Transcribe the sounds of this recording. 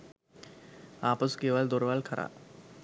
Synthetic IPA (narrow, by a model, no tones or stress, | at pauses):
aːpəskeːʋald̪oɾʋaːlkʰɐɾʔa̰ː